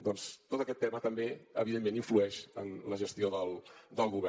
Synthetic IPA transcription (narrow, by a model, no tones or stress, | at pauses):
d̪ɔnst̪ot̪əkɛt̪ːɛmət̪əmbeə̰βiðemːeniɱfluɛʃənləʒəst̪ioðəlˠd̪əlˠɣuβɛ